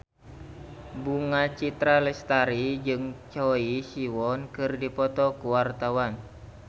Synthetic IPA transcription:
buŋat͡ʃit̪ɾalɛst̪aɾid͡ʒɨŋt͡ʃɔisiwɔnkɨrdipɔt̪ɔkuwart̪awan

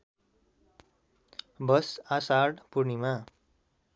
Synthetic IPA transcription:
bʌsasarɽpurnima

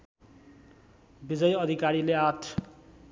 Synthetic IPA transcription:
bid͡zʌjʌd̪ʱikaɾileat̪ʰ

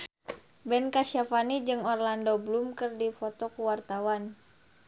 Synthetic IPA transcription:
bɛnkaʃafanid͡ʒɨŋɔrlandɔblumkɨrdifɔt̪ɔkuwart̪awan

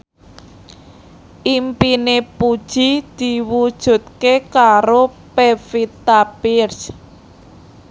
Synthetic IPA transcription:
ʔimpinepud̥ʒ̥i̤d̪̥i̤wud̥ʒ̥ṳt̪̚kekaɾo | pefit̪apirs

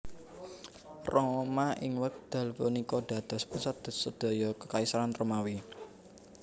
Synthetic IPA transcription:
rɔmaʔɪŋwək̚d̪̥a̤lpunikɔd̪̥a̤d̪̥ɔ̤spusat̪̚d̪̥səd̪̥ɔ̤jɔkəkaisɾanromawi

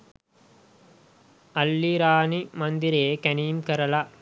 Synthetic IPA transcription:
ɐlːiɾaːnimɐnd̪ɪɾeːkɐniːmkɐɾɐla

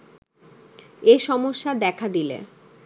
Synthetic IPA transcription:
eʃɔmoʃːad̪ɛkʰad̪ilḛ

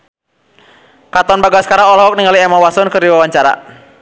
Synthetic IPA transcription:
kat̪ɔnbaɡasə̥kaɾaŋɔlɔɦɔk̚niŋɡaliɛmawasɔnkərdiwawaɲt͡ʃaɾa̰

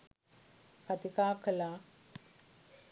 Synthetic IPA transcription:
kat̪ikaːkəla

